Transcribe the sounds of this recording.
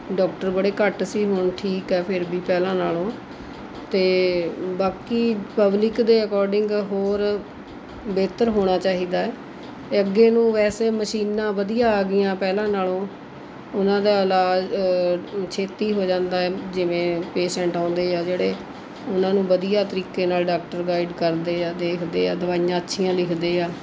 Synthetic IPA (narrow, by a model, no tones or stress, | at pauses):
ɖɔːkʈəɾbəɽeːkəʈsiːɦʊɳʈʰiːkɛːpʰɪɾbiːpɛːlãːnaːlõː | t̪eːbaːkiːpəblɪkd̪eːəkɔːɾɖɪŋɡɦoːɾ | beːt̪əɾɦoːɽ̃aːt͡ʃaːɦiːd̪aːɛː | t̪eːəɡːeːnũːʋɛːseːməʃiːnːãːʋəd̪ijaːɡɪjãːpɛːlãːnaːlõː | ʊnãːd̪aːəlaː | t͡ʃʰeːt̪iːɦoːd͡ʒãːnd̪aːɛːd͡ʒɪʋẽːpeːʃɛ̃ːɳʈãːnd̪eːaːd͡ʒeːɽeː | ʊnãːnũːʋəd̪ijaːt̪əɾiːkeːnaːlɖaːk̚ʈəɾɡaːiɖkəɾd̪eːaːd̪eːkʰd̪ḛːaːd̪əʋaːɪjãːətːʃʰijãːlɪkʰd̪eːaː